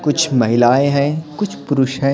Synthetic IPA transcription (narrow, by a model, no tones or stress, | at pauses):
kʊt͡ʃʰmɐɦɪlaːeɦɛːkʊt͡ʃʰpʊɾʊʃɦɛ̃ː